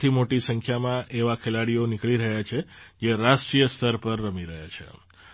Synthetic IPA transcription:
t̪ʰimoʈisə̃ŋkʰjamãʔeʋakʰelaɽijonikɭiɾəɦjat͡ʃʰed͡ʒeɾasʈɾijəst̪ʰəɾpəɾːəmiɾəɦjat͡ʃʰḛ

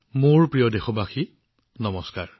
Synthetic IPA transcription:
mʊɹpɹijɔdexɔbaxi | nɔmɔskaɹ

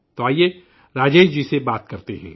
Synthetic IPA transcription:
t̪oaːie | ɾaːd͡ʒeːd͡ʒd͡ʒisebaːt̪̚kɐɾt̪eɦɛ̰̃ː

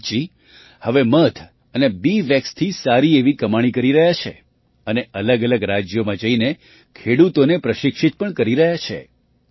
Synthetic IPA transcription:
d͡ʒi | həʋemət̪ʰ | ənebiʋjəkst̪ʰisaɾieʋikəmaɽ̃ikəɾiɾəɦjat͡ʃʰḛ | əneʔələɡələɡɾad͡ʒjomãd͡ʒəine | kʰeɽut̪onepɾəʃɪkʃit̪̚pəɳkəɾiɾəɦjat͡ʃʰḛ

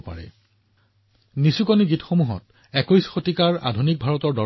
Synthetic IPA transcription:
pa̰ɹɛ̰ | nisukoniɡitxomuɦɔ̰t̚ | ɛkojsxotikaɹa̰dʱunik̚bʱaɹɔtɔɹdɔ

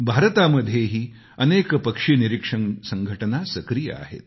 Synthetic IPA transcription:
bʱaɾt̪aməd̪ʱːjeɦiː | ənekpəkʂiniɾikʂənsəŋɡʱəʈənasəkɾijə̰a̰ɦḛt̪

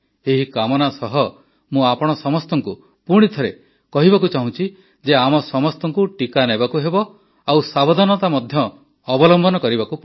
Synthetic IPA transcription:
eɦikamɔnasɔɦɔ | mũapɔɽ̃ɔsɔmɔst̪ɔŋku | puɽ̃it̪ʰɔɾe | kɔɦibakut͡ʃaɦũt͡ʃʰi | d͡ʒeamɔsɔmɔst̪ɔŋkuʈikanebakuɦebɔ | awsabɔd̪ʱɔnɔt̪amɔd̪ʱjɔː | bɔlɔmbʱɔnɔkɔɾibakup

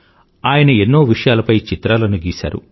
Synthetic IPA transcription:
aːjɐnɐe̞nːoːʋiʂɐjaːlɐpɐjt͡ʃit̪ɾaːlɐnuɡiːsa̰ːɾṵ

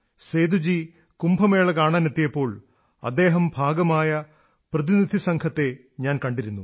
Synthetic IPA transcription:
seːd̪ud͡ʑi | kumbʰʱɐme̞ːɭɐkaːɳaːnet̪ːijɐpːo̞ːɭ | ɐ̰d̪ːe̞ːɦɐmbʱaːɡɐmaːjɐ | prɐðinid̪ʱisɐŋkʰɐt̪ːe̞ | ɲaːnkɐɳɖiɾunːu

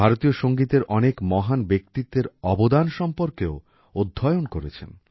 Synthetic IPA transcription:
bʱaɾot̪ijoʃoŋɡit̪eɾʔɔnekmɔɦanbek̚t̪it̪ːeɾɔbod̪anʃɔmpoɾkeo | od̪ʱːɔeonkoɾet͡ɕʰḛn

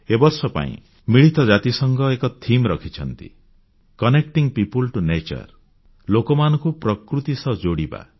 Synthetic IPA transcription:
ebɔɾsɔpa̰ḭ̃ | miɭit̪ɔd͡ʒat̪isʌŋɡɔekɔt̪ʰimɾʌkʰit͡ʃʰʌnt̪ḭ | kɔnek̚ʈiŋpipulʈunet͡ʃɔ̰ɾ | lokɔmanɔkupɾɔkɾut̪isɔd͡ʒoɽiba̰

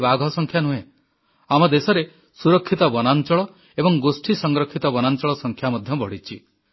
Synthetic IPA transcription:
baɡʱɔsɔŋkʰjanũẽ | amɔd̪esɔɾe | suɾɔkʰːit̪ɔbɔnant͡ʃɔɭɔ | ebɔŋɡosʈʰisɔŋɡɾɔkʰːit̪ɔbɔnant͡ʃɔɭɔsɔŋkʰjamɔd̪ʱjɔbʱɔɽ̤it͡ʃʰi

